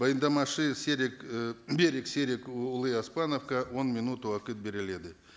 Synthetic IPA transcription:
bajnd̪amɑʂɨsʲeɾʲɪkbʲeɾʲɪksʲe̞ɾʲɪkʊlˠɨaspɑnofkɑwonmʲɪnut̪uwaqɨt̪̚bʲe̞ɾʲɪle̞d̪ɪ

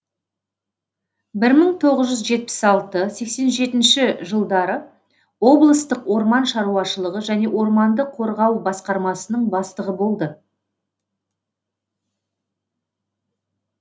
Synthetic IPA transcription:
bɪɾməɴt̪ʰo̞ʁəzʒʏzʒe̞t̪̚pɪ̥sɑlˠt̪əse̞kse̞nʒe̞t̪ɪnʃɪʒəlˠd̪ɑɾə | wo̞blˠəst̪əqwo̞ɾmɑnʃɑɾuɑʃəlˠəʁəʒæne̞wo̞ɾmɑnd̪əqʰo̞ɾʁɑwbɑsqɑɾmɑsənəɴbɑst̪əʁəbo̞lˠd̪ə

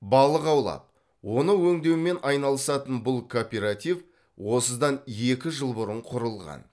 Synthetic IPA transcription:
bɑlˠəqɑwlˠɑ̰p̚ | wo̞nəwɵŋd̪ewɪme̞nʔɑjnɑlˠəsɑt̪ənbʊlˠkʰo̞pʲeɾat̪ʲiv | wo̞səd̪ɑne̞kʲɪʒəlˠbʊɾəɴqʰʊɾəlˠʁɑ̰n

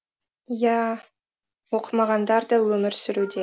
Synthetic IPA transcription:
jæ | wo̞qʰəmɑʁɑnd̪ɑɾd̪ɑwɵmɪɾsʏɾud̪e

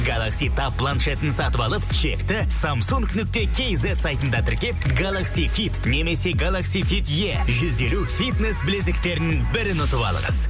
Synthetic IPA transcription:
ɡalˠaksijt̪ʰɑpːlˠanʃet̪ɪnsɑt̪əpɑlˠəpʃe̞̰kt̪ɪ | samsuŋknʏk̚t̪e̞kʲʰe̞jze̞t̪sajt̪ənd̪ɑt̪ʰɪɾkʲe̞p̚ɡalˠaksijfit̪ne̞me̞se̞ɡalˠaksijfit̪je̞ʒʏze̞lufit̪ne̞sbɪlesɪk̚t̪e̞ɾnɪŋbɪɾɪnʊt̪əpɑ̰lˠə̰ʁə̰z

